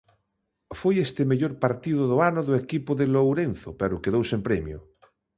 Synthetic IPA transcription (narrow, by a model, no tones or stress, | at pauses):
fwojest̪emeʎoɾpaɾt̪iðoðoanoðoekipoðelowɾen̟θopeɾokeð̞owsempɾemjo̰